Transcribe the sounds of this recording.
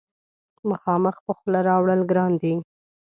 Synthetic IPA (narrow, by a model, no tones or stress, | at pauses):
məxɑməxpəxlaɾɑwɽəlɡɾɑnd̪i